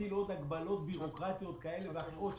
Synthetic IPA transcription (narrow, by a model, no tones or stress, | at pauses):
ilot̪haɡbalo̞t̪̚biʁo̞kʁat̪ijo̞t̪kae̞levaχot̪